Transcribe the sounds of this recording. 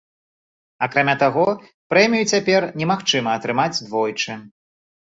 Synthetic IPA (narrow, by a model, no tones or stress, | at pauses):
akɾamʲat̪aɣɔ | pɾɛmʲijut͡sʲapʲɛrnʲɛmaxt͡ʂɨmɐːt̪ɾɨmad͡zʲd̪vɔjt͡ʂɨ